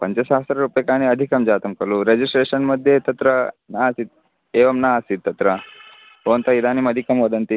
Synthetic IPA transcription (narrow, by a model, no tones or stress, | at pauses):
pɐɲt͡ɕesasɐɾɐɾupjekaɽ̃iɐd̪ʱikɐmd͡ʒaːt̪ɐmkɐɾluɾed͡ʑisʈɾeɕɐnmɐd̪ʱːjet̪ɐt̪ɾɐnasit̪̚ | eʋɐmnaːsit̪ːɐt̪ɾɐ | oːnt̪ɐid̪animɐd̪ʱikɐmʋɐd̪ɐnt̪i